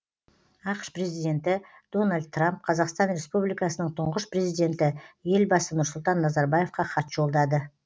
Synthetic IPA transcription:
ɑqʃpre̞zijd̪ʲe̞nt̪ɪ | d̪̥o̞nalʲd̪̚t̪ːramp̚qʰɑzɑqst̪ɑnɾe̞spublijkɑsənəɴt̪ʰʊɴʁəʃpre̞zijd̪e̞nt̪ɪje̞lbɑsənʊɾsʊlˠt̪ɑnːɑzɑɾbaje̞fqɑqʰɑt̪ʒ̥o̞lˠd̪ɑd̪ə

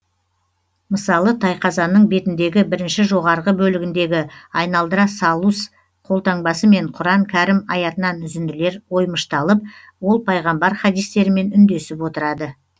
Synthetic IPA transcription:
məsɑlˠət̪ʰɑjqʰɑzɑnəɴbe̞t̪ɪnd̪e̞ɡʲɪbɪɾɪnʃɪʒo̞ʁɑɾʁəbɵlɪɡʲɪnd̪e̞ɡʲɪɑjnɑlˠd̪əɾɑsɑlˠus | qʰo̞lˠt̪ɑɴbɑsəme̞ɴqʰʊɾɑŋkʲʰæɾɪmɑjɑt̪ənɑnʏzɪnd̪ɪle̞ɾwo̞jməʃt̪ɑlˠəp̚ | wo̞lˠpʰɑjʁɑmbɑɾχɑd̪ijst̪e̞ɾɪme̞nʏnd̪e̞sɪpwo̞t̪əɾɑd̪ə

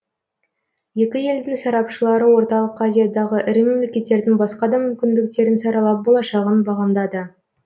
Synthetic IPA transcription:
je̞kʲɪje̞ld̪ɪŋsɑɾɑpʃəlˠɑɾəwo̞ɾt̪ɑlˠəqazʲijad̪ɑʁəʔɪɾɪme̞mlekʲe̞t̪ːe̞ɾd̪ɪŋbɑsqɑd̪ɑmʏmkʲɪnd̪ɪk̚t̪e̞ɾɪnsɑɾɑlˠɑp̚bo̞lˠɑʃɑʁənbɑʁɑnd̪ɑd̪ə

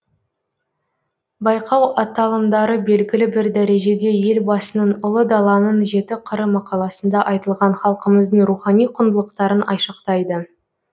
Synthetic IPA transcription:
bɑjqʰɑwɑt̪ːɑlˠəmd̪ɑɾəbe̞lɡʲɪlɪbɪɾd̪æɾe̞ʒe̞d̪e̞je̞lbɑsənəɴʊlˠəd̪ɑlˠɑnənʒe̞t̪ɪqʰəɾəmɑqɑlˠɑsənd̪ɑʔɑjt̪əlˠʁɑɴχɑlˠqəməzd̪əɴɾuχɑnijqʰʊnd̪əlˠəqt̪ɑɾənʔɑ̰jʃəqt̪ɑjd̪ə

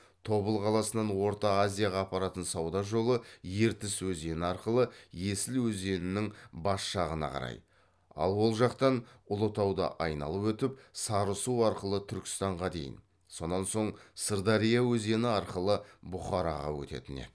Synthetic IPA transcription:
t̪ʰo̞bəlˠqʰɑlˠɑsənɑnwo̞ɾt̪ɑːzʲijaʁɑːpɑɾɑt̪ənsɑwd̪ɑʒo̞lˠəje̞ɾt̪ɪswɵze̞nɪɑɾqəlˠəje̞sɪlwɵze̞nɪnɪŋbɑsʃɑʁənɑ̰qʰɑ̰ɾɑ̰j | ɑ̰lˠwo̞lˠʒɑqt̪ɑnʊlˠət̪ɑwd̪ə̰ʔɑjnɑ̰lˠəpwɵt̪ɪp̚sɑɾəsuɑɾqəlˠət̪ʰʏɾkʲɪ̥st̪ɑɴʁɑd̪e̞̰jɪ̰n | so̞nːɑnso̞ɴsəɾd̪ɑɾijawɵze̞nɪɑɾqəlˠəbʊχɑɾɑ̰ʁɑ̰wɵ̰t̪e̞̰t̪ɪnḛ

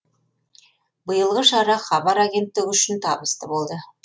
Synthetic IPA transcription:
bəjəlˠʁəʃɑɾɑχɑβɑɾaɡʲe̞nt̪ːɪɡʲʏʃɪnt̪ʰɑbəst̪əbo̞lˠd̪ə

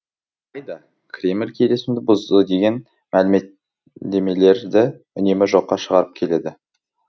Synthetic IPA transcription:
ɑjd̪ɑ | kʲʰrʲe̞mlʲkʲʰe̞le̞sɪmd̪ɪbʊzd̪əd̪e̞ɡʲe̞n | mælɪme̞t̪ | d̪e̞me̞le̞ɾd̪ɪ | ʏne̞mɪʒo̞qːɑʃəʁɑɾəp̚kʲʰe̞le̞d̪ɪ

